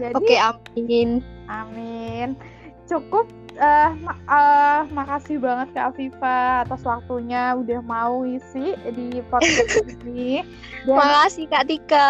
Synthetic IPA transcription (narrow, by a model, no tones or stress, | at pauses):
d͡ʒapaikeaminʔamɪn | t͡ʃukʊp̚ | əmaəmakasɪhbaŋət̪̚kafifaːt̪aswak̚t̪uɲaudahmauisɪhdipɔɛini | damakasihkat̪ikə